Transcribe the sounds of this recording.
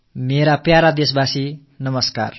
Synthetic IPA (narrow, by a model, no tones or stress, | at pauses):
meɾapjaɾad̪esbasi | nʌmʌska̰r